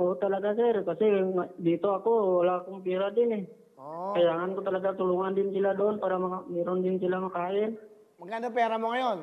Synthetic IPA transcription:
ɔt̪alaɡasɛɾkasiŋadit̪ɔakulakuŋpiɾadini | kajaŋankut̪alaɡat̪uluŋandint͡ʃiladɔnpaɾamamiɾɔndint͡ʃilamakaɪn | makad̪upiaɾamɔŋajɔn

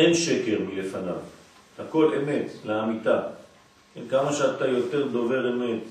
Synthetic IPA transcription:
enʃe̞ke̞ʁmile̞fanav | hako̞le̞me̞t̪leamit̪a | enkamaʃeat̪ajo̞t̪e̞ʁd̪o̞ve̞ʁeme̞t̪

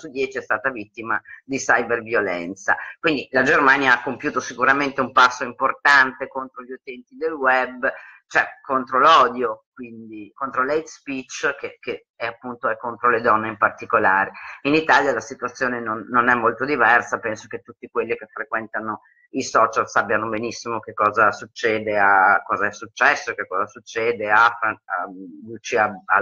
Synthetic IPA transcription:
sud̪jɛːt͡ʃiɛst̪aːt̪avit̪ːimad̪isajbervjolɛ̰nt̪sa̰kwind̪ilad͡ʒermaːnjaakːompjuːt̪osikuɾament̪eumpasːoimport̪ant̪ekont̪ɾoʎːut̪ɛnt̪id̪elwɛbːt͡ʃoɛkːont̪ɾolɔːd̪jokwind̪ikont̪ɾolejt̪spit͡ʃːkeke | ɛapːunt̪oɛkːont̪ɾoled̪ɔnːeimpart̪ikolaːɾeinit̪aːljalasit̪uat̪sːjoːnenonːonɛmːolt̪od̪ivɛrsapɛnsoket̪ːut̪ːikwelːikefːɾekwɛnt̪ano | isɔːt͡ʃalsapːjanobenisːimok̟ekːɔːzasut͡ʃːɛːd̪eakːɔːzaɛsut͡ʃːɛsːoekekːɔːzasut͡ʃːɛːd̪eafanalut͡ʃiaa̰

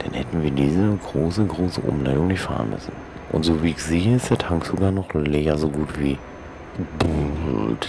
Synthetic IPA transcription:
d̥anhɛtn̩viːɐdiːzəɡʁoːsəɡʁoːsəʔʊ̰mlaɪdʊŋnɪçtfa̰ːʁə̰nmʏ̰sn̩ | ʔʊ̰ntz̥oːviːɪçz̥eːəɪstd̥eːɐtʰaŋkz̥oɡaːɐnɔχlɛːɐzoːɡuːtv̥ḭː | bult

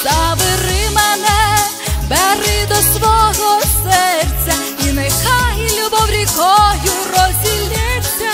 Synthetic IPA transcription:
zɐʋɪɾɪmɛnɛ | bɛɾɪd̪ɔsʋɔɣɔsɛrt̪sʲɐ | inɛkaɦilʲubɔwɾʲikɔjʊrɔzʲilʲɛsʲːɐ

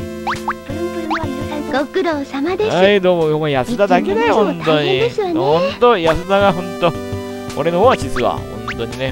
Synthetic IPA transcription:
ɡokɯ̟ɾoːɕamad̪ehaid̪oːmojomojasɨd̪ad̪akenehõnt̪oɲieɕonhõnt̪ojasɨd̪aɡaɦõnt̪o | oɾe̞no̞hoːβat͡ɕisɨβa̰hõ̞̰nt̪o̞ɲ̟ine̞

